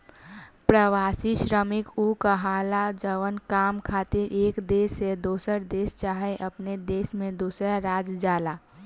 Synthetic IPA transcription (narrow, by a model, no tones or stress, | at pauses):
pɾəʋaːsiʃɾəmɪkukəɦaːlad͡ʒəʋənkaːmkʰaːt̪iɾʔeːkd̪eːsed̪oːsəɾd̪eːst͡ʃaːɦeʔəpned̪eːsmẽd̪uːsɾaɾaːd͡ʒd͡ʒaːla